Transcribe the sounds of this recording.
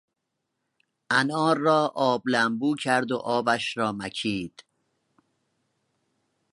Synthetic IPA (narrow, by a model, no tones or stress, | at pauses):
ʔænɒːɾːɒːʔɒːblæmbuːcʰæɾd̪o̰ʔɒːbæʃɾɒːmæcʰiːd̪̥